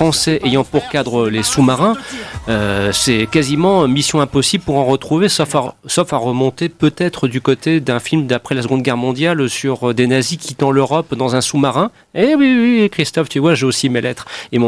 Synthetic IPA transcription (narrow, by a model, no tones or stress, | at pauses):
fχɑ̃sɛʔejɑ̃puʁkad̪ʁəlesumaʁɛ̃øsɛkazimɑ̃misjɔ̃ɛ̃pɔsibləpuʁɑ̃ʁət̪χuvesɔfasɔfaʁəmɔ̃t̪epøt̪ɛt̪χəd̪ykot̪ed̪ɛ̃filmd̪apχɛlas̬əɡɔ̃d̪ɡʲɛʁmɔ̃d̪jalsyʁød̪enazikʲit̪ɑ̃løʁɔpd̪ɑ̃zɛ̃sumaʁɛ̃ | ewiwikχist̪ɔft̪yvwaʒeosimelɛt̪χem̃